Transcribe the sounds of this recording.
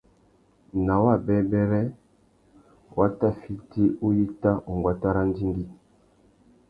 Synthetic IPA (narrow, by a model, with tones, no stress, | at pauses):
na˨wa˦˨bɛ˦bɛ˦ɾɛ˦ | wʔa˦ta˦˨fi˦ti˦u˦ji˦ta˦u˨ŋɡwa˦ta˦ɾa˦n˦di˦ŋɡi˦